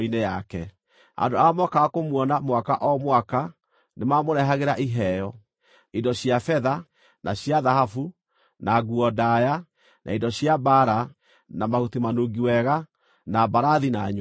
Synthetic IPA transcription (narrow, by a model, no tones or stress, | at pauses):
inejakɛ | a̰ndoamɔkakomwɔnamwakaʔɔmwaka | nemamoɾɛɦaɣeɾaʔiɦɛjɔ | idɔɕiafɛða | naɕjaðahafu | naɡuɔdaja | nʔa̰indɔɕjabaɾa | namahutimanoɡiwɛɣa | nabaɾaðinaɲ